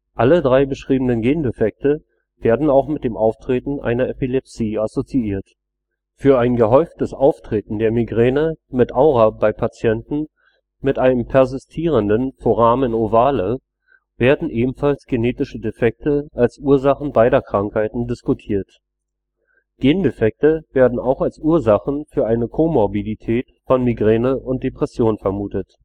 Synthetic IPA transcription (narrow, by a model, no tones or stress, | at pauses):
ʔʔalədʁaɪbəʃʁ̥iːbm̩n̩ənɡeːndefɛk̚tə | veːɐdn̩aʊxmɪt̚d̥eːmʔaʊftʁ̥eːtn̩ʔa̰ɪnɐepilɛpsiːasot͡siiːɐt | fyːɐaɪnɡəɦɔʏftəsʔaʊftʁ̥eːtn̩deːɐmiɡʁeːnəmɪtʔaʊʁabaɪpʰat͡sjɛntn̩ | mɪtʔaɪnəmpʰɛɐzɪstʰiːʁ̞əndənfoʁaːmɪnovaːlə | veːɐdn̩ʔeːbm̩falsɡ̥eneːtɪʃədefɛk̚təʔalsʔuːɐzaχn̩baɪɾɐkʁ̥aŋkhaɪtn̩dɪskutʰiːɐt | ɡ̥eːndefɛk̚təveːɐdn̩aʊxalsʔuːɐzaχn̩fyːɐʔaɪnəkʰoːmɔɐbilitʰɛːtfɔnmiɡʁɛːnəʔʊnt̚d̥epʁ̥ɛsjoːnfɛɐmuːtət